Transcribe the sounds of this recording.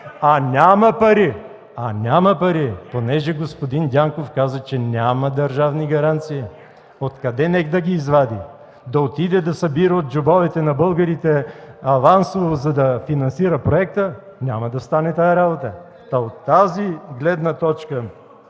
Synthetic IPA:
ɐnʲamɐpɐɾi | ɐnʲamɐpɐɾiponɛʒɛɡospod̪ind̪ʲaŋkofkazət͡ʃɛnʲamɐd̪ɐɾʒavniɡɐɾant̪siji | ot̪kɐd̪ɛnɛkd̪ɐɡʲiːzvad̪i | d̪ɐot̪id̪ɛd̪ɐsɐbiɾəot̪̚d͡ʒobɔvɛt̪ɛnɐbɤlˠɡɐɾit̪ɛɐvansovozɐd̪ɐfinɐnsiɾəpɾoɛk̚t̪ə | nʲamɐd̪ɐst̪anɛt̪ajɐɾabot̪ə | t̪ɐot̪ːaziɡlɛd̪nɐt̪ɔt͡ʃkə

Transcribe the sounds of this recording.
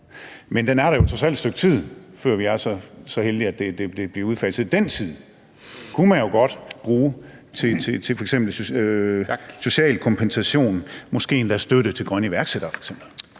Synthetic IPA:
mend̥enæɐɾ̥ɑ̈jo̝t͡sʰʁɒsæl̰d̥sd̥øɡ̥̚t͡sʰið̰ˠfɶɐ̰ʋiæɐsɒ̽sɒ̽held̥iæd̥e̝d̥e̝d̥e̝b̥liɐuðˠfæsð̩ˠd̥en̰t͡sʰið̰ˠ | kʰumænjo̝ɡ̥ɒ̽d̥b̥ʁuː | t͡sʰe̝t͡sʰet͡sʰe̝fɒ̽eɡ̥sem̰b̥l̩ | so̝ɕɛ̰ːlkʰɒ̽mpʰensæɕo̝̰ːnmɒ̽sɡ̥e̝̰ːend̥æsd̥øɾət͡sʰe̝lɡ̥ʁɶnəiʋæɐɡ̥seɾ̥ɐfɒ̽e̥ɡ̥sem̰b̥l̩

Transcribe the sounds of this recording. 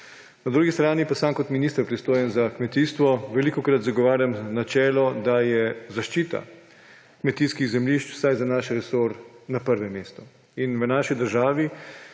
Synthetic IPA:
nad̪ɾuːɡist̪ɾaːnipasamkɔt̪minist̪əɾpɾist̪oːjɛnzakmɛt̪iːst̪ʋɔʋɛlikɔkɾat̪zaɡɔʋaːɾjamnat͡ʃɛːlɔd̪ajɛzaʃt͡ʃiːt̪a̰ | kmɛt̪iːskiɣzɛmliʃt͡ʃw̥sajzanaːʃɾɛsoɾnapəɾʋɛmeːst̪ɔ | inʋənaːʃid̪əɾʒaːʋi

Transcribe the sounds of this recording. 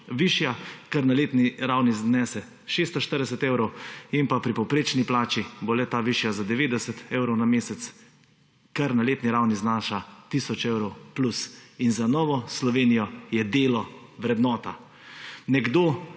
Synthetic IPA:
ʋiʃjakəɾnaleːt̪niɾawniznɛːsɛ | ʃeːst̪ɔʃt̪əɾd̪ɛsɛt̪eːwɾɔwimpapɾipɔwpɾeːt͡ʃniplaːt͡ʃibolɛt̪aːʋiʃjazad̪ɛʋeːd̪ɛsɛt̪eːwɾɔwnameːsɛt̪s | kaɾnaleːt̪niɾawniznaːʃat̪isɔt͡ʃewɾɔwplusinzanɔːʋɔslɔʋeːnijɔjɛd̪eːlɔ | ʋɾɛd̪nɔːt̪a | nɛɡd̪oː

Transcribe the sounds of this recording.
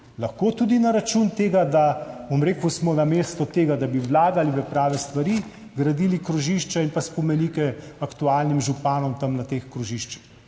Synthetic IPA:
lɐxkot̪ud̪inaɾat͡ʃunt̪eːɡad̪abomɾeːkusmɔnameːst̪ɔt̪eːɡad̪abiwlaːɡalibɛpɾaːʋɛst̪ʋaɾi | ɡɾad̪iːlikɾuʒiʃt͡ʃainpaspɔmɛnikɛakt̪uaːlnimʒupaːnɔmt̪ɐmnat̪exkɾuʒiʃt͡ʃi̥x

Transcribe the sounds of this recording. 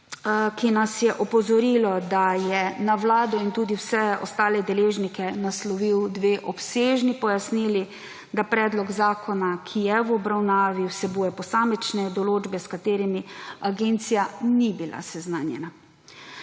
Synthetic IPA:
kinasjɛʔɔpɔzɔɾilɔd̪ajɛnaʋlaːd̪ɔint̪uːd̪iwsɛɔ̰st̪aːlɛd̪ɛleːʒnikɛnaslɔʋiwd̪ʋeːʔɔpseːʒnipɔjasnili | d̪apɾɛːd̪lɔɡzaːkɔnakʰijɛwɔbɾawnaːʋiwsɛbuːjɛpɔsaːmɛt͡ʃnɛd̪ɔloːd͡ʒbɛskat̪eːɾimiaɡeːnt̪sijanibilʔa̰sɛznaːnjɛ̰na

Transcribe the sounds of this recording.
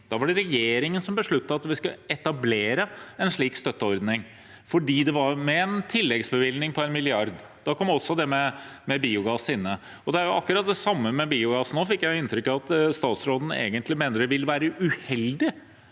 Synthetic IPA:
d̪̥ɑʋɑɖɛɾɛjeːɾɪŋənsɔmbəʂɭʉt̪ːəɑt̪ʋɪskɑɛt̪ɑbleːɾəɛnʂɭiːkst̪œt̪ːəɔɾd̪nɪŋ | fɔɖiːd̪ɛʋɑɾmɛɛnt̪ʰɪlːɛɡsbəʋɪlnɪŋpʰɔɛnmɪlɪɑɾd̪ | d̪̥ɑkʰɔmɔsːɔd̪ɛmɛmɛbiːʊɡɑːsɪnːə | ɔd̪ɛæɾjʊʔɑkːʉɾɑt̪̚d̪ɛsɑmːəmɛbiːʊɡɑːsnoːfɪkːjæɪɪnt̪ɾʏkːɑʋɑt̪st̪ɑːt̪sɾoːd̪n̩ḛːɡənt̪lɪmeːnəɖ̪ɛʋɪləʋæːɾəʔʉhɛld̪ɪ

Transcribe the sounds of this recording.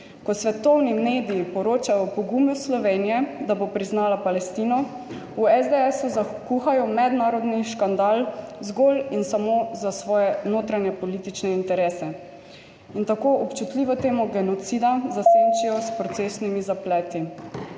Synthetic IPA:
kɔsʋɛt̪ɔwnimeːd̪ijipɔɾoːt͡ʃajɔpɔɡumjuslɔʋenijɛd̪abopɾiznaːlapalɛst̪iːnɔ | uɛzd̪eɛsuzakuxajɔmɛd̪naːɾɔd̪niʃkand̪alzɡoːlinsamozasʋɔːjɛnoːt̪ɾanjɛpɔliːt̪it͡ʃnɛint̪ɛɾeːsɛ | int̪akoːʔɔpt͡ʃut̪liʋɔt̪eːmɔɡɛnɔt̪siːd̪azasant͡ʃijɔspɾɔt̪seːsnimizaplɛːt̪i

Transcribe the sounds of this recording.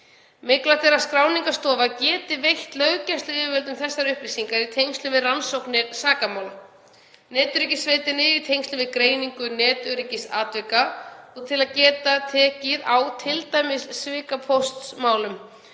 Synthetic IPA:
mɪklat̪ʰɛɾaskɾaːwniŋkast̪ɔːvacɛːt̪ɪvejht̪lœɥcast̪lʏɪːvɛlt̪̬ʏmθɛsːaɾʏhpɾisiŋkaɾit̪ʰejŋst̪lʏvɪðransowknɪɾsaːkamawl | nɛːt̪ʏɾicɪsːveːt̪ɪnɪɾit̪ʰejŋst̪lʏvɪðkɾeːjniŋkʏnɛːt̪ʏɾicɪsaːt̪vɪkaɔɣt̪ʰɪlaðcɛːt̪at̪ʰɛːcɪðawt̪ʰɪlt̪aːjmɪsːvɪːkapʰowst̪smaːwlʏm

